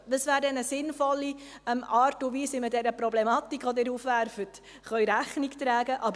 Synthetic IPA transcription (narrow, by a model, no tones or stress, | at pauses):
ʋəsʋæːɾdɛnəsɪnfɔlːiɛmɑːɾtuʋiːsɪmədɛɾəpɾɔblɛmɑt̪ikχʋɔd̪ɪːɾuːfʋæɾfət | χœʏɾæχnikt̪ɾæːɡəʔɑb